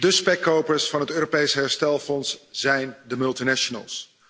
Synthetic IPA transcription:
dəspɛkːowpəɹsfɑnɦətøːropejsəɦɛɹstɛlˠfɔnsz̥ɛjndəmɵlˠtinɛʃonə̰lˠs

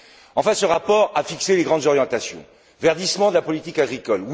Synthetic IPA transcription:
ɑ̃fɛ̃səʁapɔʁafikseleɡʁɑ̃d̪zɔʁjɑ̃t̪asjɔ̰̃ | vɛʁd̪ismɑ̃d̪əlapɔlit̪ikaɡʁikɔlw

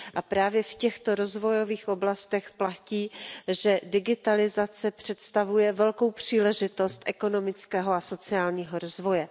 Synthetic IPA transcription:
ʔapɾaːvjɛfcɛxt̪o̞ɾo̞zvo̞jo̞viːxʔo̞blast̪ɛxplaciːʒɛdɪɡɪt̪alɪzat͡sɛpr̝̥ɛt̪st̪avujɛvɛlko̞wpr̝̥iːlɛʒɪt̪o̞st̪ʔɛko̞no̞mɪt͡skɛːɦoaso̞t͡sɪaːlɲiːɦoɾozvo̞jɛ

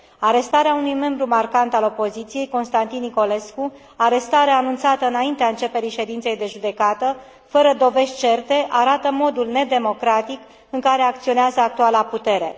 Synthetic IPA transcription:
aɾe̞st̪aɾeaunujme̞mbɾumarkant̪alo̞po̞zit̪sije̞jko̞nst̪ant̪inːiko̞le̞sku | aɾe̞st̪aɾeanunt̪sat̪əɨnaint̪eaɨnt͡ʃe̞pe̞ɾiʃe̞d̪int̪se̞jd̪e̞ʒud̪e̞kat̪ə | fəɾəd̪o̞ve̞ʃt̪̚ʲt͡ʃe̞rt̪e̞ʔaɾat̪əmo̞d̪ulne̞d̪e̞mo̞kɾat̪ik | ɨŋkaɾe̞ak̚t̪sio̞neazəak̚t̪ualaput̪e̞ɾe̞

